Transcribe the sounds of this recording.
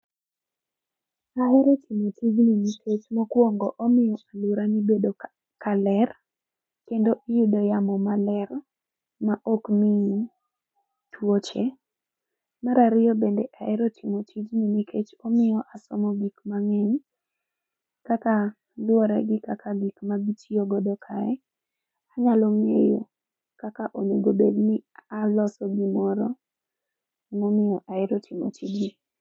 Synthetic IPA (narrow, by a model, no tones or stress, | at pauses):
aɛɾɔtʰɪmotʰid͡ʒninikʰet͡ʃmokwoŋɡɔʔɔmɪjɔʔaluɾamibedo | kalɛr | kendoʔijudɔjamɔmalɛr | maʔokmii | twot͡ʃe | maɾaɾɪjɔbendɛʔaɛɾɔtʰimotʰid͡ʒninikʰet͡ʃɔmɪjɔʔasɔmɔɡikmaŋɛɲ | kaka | lwɔɾɛɡɪkakʰaɡikmaɡitʰioɡɔdɔkʰaɛ | aɲalɔmejo̰ | kakaʔoɲeɡobednɪalɔsɔɡimɔɾɔ | imɔmɪjɔʔaɪɾɔtʰɪmo̰tʰid͡ʒi